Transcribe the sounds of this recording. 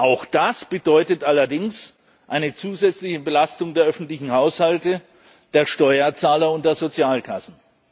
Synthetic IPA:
ʔaʊxd̥asb̥ədɔʏtətʔalɐdɪŋs | ʔaɪnət͡suːzɛt͡slɪçəbəlastʊŋdeːɐʔœfn̩tlɪçn̩haʊshaltə | d̥eːɐʃtɔʏɐt͡saːlɐʊntd̥eːɐzot͡sjaːlkʰasn̩

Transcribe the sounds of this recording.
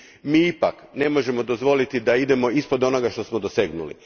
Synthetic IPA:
miːipakne̞mo̞ʒe̞mo̞d̪o̞zʋo̞lit̪id̪aid̪e̞mo̞ispod̪o̞no̞ɡaʃt̪o̞smod̪ose̞ɡnṵlḭ

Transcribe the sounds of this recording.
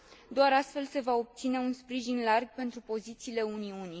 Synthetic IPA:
d̪oaɾast̪fe̞lse̞vao̞b̚t̪sine̞unspɾiʒinlarɡpe̞nt̪ɾupo̞zit̪siːle̞uniuni

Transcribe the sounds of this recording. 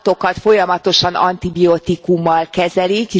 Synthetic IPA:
t̪o̞kɒt̪fo̞jɒmɒt̪o̞ʃɒnɒ̰nt̪ibiot̪ikumːɒlkɛzɛlike

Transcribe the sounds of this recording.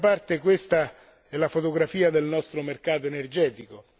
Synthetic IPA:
part̪ekwest̪a | ɛlafot̪oɡɾafiːad̪elnɔst̪ɾomerkaːt̪̬oenerd͡ʒɛːt̪iko

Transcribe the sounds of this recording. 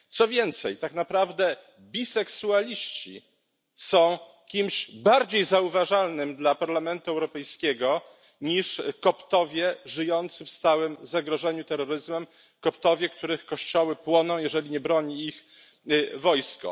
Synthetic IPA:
t̪sɔvʲjɛnt̪sɛjt̪aknapɾavd̪ɛ | bʲisɛksualʲiɕt͡ɕḭ | sɔ̃w̃ | kʲimɕbaɾd͡ʑejzauvaʐalnɘmd̪lapaɾlamɛnt̪uɛwɾɔpɛjskʲɛɡɔ | ɲiʂkɔpt̪ɔvʲjɛʐɘjɔnt̪sɘfst̪awɘmzaɡɾɔʐɛɲut̪ɛɾːɔɾɘzmɛm | kɔpt̪ɔvʲjɛk̚t̪uɾɘxkɔɕt͡ɕɔwɘpwɔnɔ̃w̃jɛʐɛlʲiɲɛbɾɔɲiːx | vɔjskɔ̰

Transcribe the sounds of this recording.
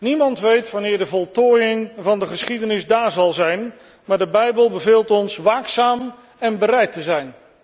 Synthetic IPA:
nimɑntʋejtʋɑnɪːɹdəvɔlˠtoːjɪŋvɑndəχəsχidənɪsdaːɹzɑlˠzɛjn | maːɹdəbɛjbəlˠbəvɪːlˠtɔnsʋaːksaːm | ɛnbəɾɛjtəzɛjn

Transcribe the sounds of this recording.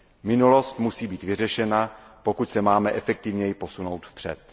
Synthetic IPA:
mɪnulo̞st̪musiːbiːt̪vɪr̝ɛʃɛnapo̞kucsɛmaːmɛʔɛfɛk̚t̪ɪvɲɛjɪpo̞suno̞wt̪fpr̝̥ɛ̰t̪

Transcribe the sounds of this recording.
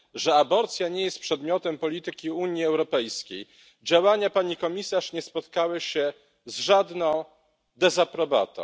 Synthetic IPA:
ʐɛabɔɾt̪sʲjaɲɛjɛst̪̚pʂɛd̪mʲjɔt̪ɛmpɔlʲit̪ɘkʲiuɲjiɛwɾɔpɛjskʲej | d͡ʑawaɲapaɲikɔmʲisaʂɲɛspɔt̪kawɘɕɛ | zʐad̪nɔ̃w̃ | d̪ɛzapɾɔba̰t̪ɔ̰̃w̃

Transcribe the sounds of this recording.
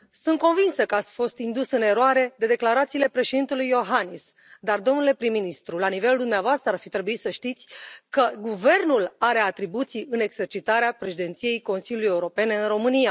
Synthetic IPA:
sunt̪̚ko̞nvinsəkəat̪sʲfo̞st̪ind̪usɨne̞ɾoaɾe̞d̪e̞d̪e̞klaɾat̪siːle̞pɾe̞ʃed̪int̪elujo̞ɦanis | d̪ard̪o̞mnule̞pɾimːinist̪ɾulanive̞ld̪umneavoast̪ɾəarfit̪ɾe̞buisəʃt̪it̪sʲkəɡuve̞rnulaɾe̞at̪ɾibut̪siɨne̞ɡz̥e̞rt͡ʃit̪aɾeapɾe̞ʃid̪e̞nt̪sije̞jko̞nsilʲulujeuɾo̞pe̞ne̞ɨnro̞mɨnija

